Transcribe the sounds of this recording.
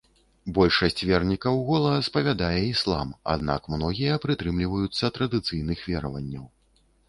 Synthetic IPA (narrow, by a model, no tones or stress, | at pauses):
bɔlʲʂɐsʲt͡sʲvʲɛrnʲikɐwɣɔlˠɐspɐvʲad̪ajɛislˠa̰ma̰d̪̚na̰kmnɔɣʲijɐpɾɨt̪ɾɨmlʲivɐjut̪sːɐt̪ɾɐd̪ɨt̪sɨjn̪ɨxvʲɛɾɐvɐnʲːɐw